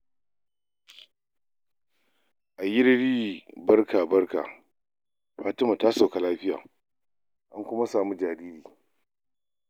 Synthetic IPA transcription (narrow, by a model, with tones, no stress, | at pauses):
ʔa˨jɪ˦ɽɽiː˦bɐ˦rkaː˨bɐ˦rka̰ː˨ | ɸaː˦tɪ˦ma˨taː˦so˨ka˨laː˦ɸɪ˦ja̰ː˨ | ʔa˦ŋkʷʊ˦ma˦saː˨mu˦d͡ʒaː˨ɾiː˦ɾiː˨